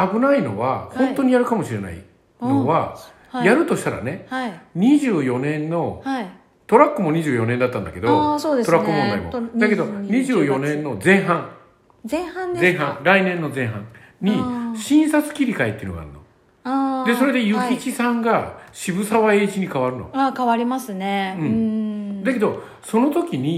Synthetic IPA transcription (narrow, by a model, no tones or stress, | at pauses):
abɯ̟naino̞̰βahõ̞nt̪o̞ɲ̟ijaɾɯkamo̞ɕiɾe̞na̰ḭ | noβa | jaɾɯ̟t̪o̞ɕi̥t̪aɾa̰ne̞ɲ̟iʑɨːjo̞nẽ̞nːo̞ | t̪o̞ɾakːɯ̟mo̞ɲ̟iʑɨːjo̞nend̪at̪ːãnd̪a̰ke̞d̪o̞tt̪o̞ɾakːɯmõ̞nd̪aimod̪ake̞d̪o̞ɲ̟iʑɨːjo̞nẽ̞nːo̞zẽ̞ɰ̃ɦãŋ | ẽhãndzẽ̞ɰ̃ɦãŋɾainẽ̞nːo̞zẽ̞ɰ̃ɦã̰ŋɲ̟iɕĩɰ̃sat͡sɨ̥kʲiɾʲikait̪ːeiɯ̟noɡa̰ːɾɯ̟no̞̰ | ad̪e̞so̞ɾe̞d̪e̞jɯ̟kʲit͡ɕisãŋɡaɕibɯ̟saβae̞ːʑiɲ̟ikaβaɾɯ̟no̰aːkaβaɾʲimasɨneɯ̟̃ɴd̪ake̞d̪o̞ | so̞no̞t̪o̞kʲiɲ̟i